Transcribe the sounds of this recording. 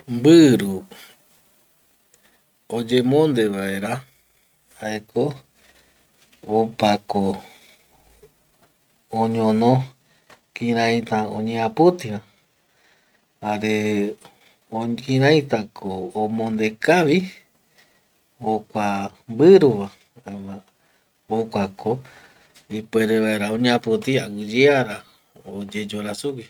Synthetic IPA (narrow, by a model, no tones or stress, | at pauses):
mbɨɾu | od͡ʒemõnd̪e̞βaeɾa | haeko | opako | õɲõnõ | kĩɾãj̃t̪aõ̰ɲẽapɨt̪iɾã | haɾe | okĩɾãĩt̪akʰoːmõnd̪e̞kaʋi | okʷambɨɾuʋa | a | okʷako | ipweɾeβaeɾaõɲẽãpɨt̪iaɨd͡ʒeaɾa | od͡ʒe̞d͡ʒoɾasuki